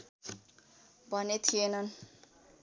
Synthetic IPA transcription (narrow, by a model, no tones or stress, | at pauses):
bʱʌnet̪ʰienʌn